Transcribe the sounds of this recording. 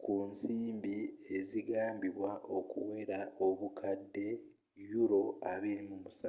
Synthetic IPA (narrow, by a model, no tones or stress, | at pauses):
kuːnsiːmbieziɡaːmbiβwaʔokṵwe̞ːɾaoβukʰadːe̞ | juɾo̞a̰βeɾimumusa